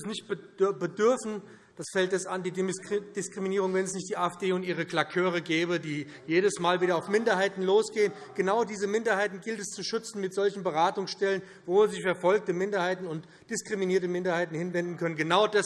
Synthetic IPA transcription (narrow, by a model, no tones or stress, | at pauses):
snɪçtb̥bədʏɐfn̩ | d̥asfɛltdɛsandiːd̥ɪskʁ̥iminiːʁʊŋvɛnɛsnɪçtd̥iːʔaːɛfd̥eːʊntiːʁ̞əkl̥akʰøːʁ̞əɡɛːbədiː | jeːɾəsmaːlviːdɐaʊfmɪndɐɦaɪtn̩loːsɡ̥eːənɡ̥ənaʊdiːzəmɪndɐhaɪtn̩ɡɪltɛst͡suʃʏt͡sn̩mɪtz̥ɔlçn̩bəʁaːtʊŋsʃtɛlən | voːzɪçfɛɐfɔlk̚təmɪndɐhaɪtn̩ʊnt | d̥ɪskʁ̥iminiːɐtəmɪndɐhaɪtn̩hɪnvɛndn̩kʰœnənɡənaʊdas